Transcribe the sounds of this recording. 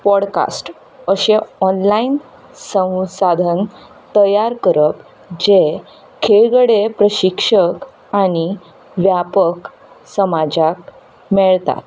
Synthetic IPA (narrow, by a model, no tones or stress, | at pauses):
pɔɽka̰sʈ | əɕeɔnlain | sə̃w̃sad̪ʱən | t̪əjaɾkəɾəp | d͡ʑe | kʰeɭɡəɽepɾəɕikʂək | aɽ̃i | ʋjapək | səmad͡ʑak̚ | mɛɭt̪a̰t̪